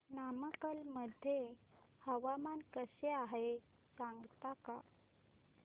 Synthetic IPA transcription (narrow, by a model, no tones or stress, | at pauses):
naməkəlməd̪ʱːjehəʋamankəseaɦe | saŋɡt̪aka